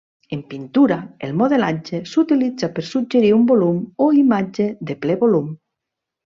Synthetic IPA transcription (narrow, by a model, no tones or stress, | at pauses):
empint̪uɾaelmoðelad͡ʒesut̪ilidd͡zapeɾsud͡ʒeɾiumbolumoimad͡ʒeðeplɛβolum